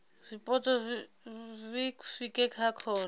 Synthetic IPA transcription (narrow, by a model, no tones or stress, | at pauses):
ripʼɔtʼɔ | vikufikʼɛkʰakʰɔːn